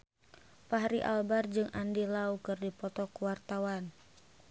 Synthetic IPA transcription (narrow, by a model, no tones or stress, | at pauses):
paɦaɾiʔa̰lbard͡ʒɨŋʔandilaukɨrdipɔt̪ɔkuwart̪awan